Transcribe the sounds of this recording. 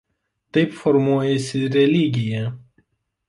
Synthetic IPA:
t̪ɐɪpfɔɾmuɔjɛsʲɪɾʲɛlʲɪɡʲɪjɛ

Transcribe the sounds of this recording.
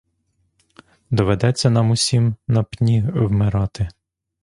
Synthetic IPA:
d̪ɔʋed̪ɛt͡sʲːɐnɑmʊsʲimnɐpnʲiwmɪɾɑt̪ɪ

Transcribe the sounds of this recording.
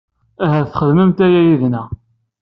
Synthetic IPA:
æɦæθχəðməmt̪æjæjiðnæ

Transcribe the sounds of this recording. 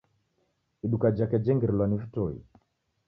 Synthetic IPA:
iɗukad͡ʒakɛd͡ʒɛŋɡɛɾlwanivitɔḭ

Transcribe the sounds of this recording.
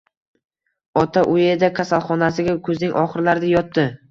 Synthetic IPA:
ɒt̪ʰaʔʊjed̪akʲʰasalˠχɒnasɪɡʲakʰɵznɪŋʔɒχɨɾlaɾnɪjɒt̪ːɪ

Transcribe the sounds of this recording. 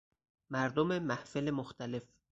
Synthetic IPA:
mæɾd̪omemæhfelemoxt̪ʰæle̞f

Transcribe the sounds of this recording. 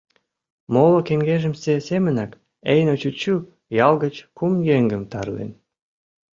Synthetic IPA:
molokeŋɡeʒə̆msesemə̆nɑk | ejnot͡ɕut͡ɕu | jɑlɣət͡ɕkumjeŋɡəmt̪ɑrlḛn

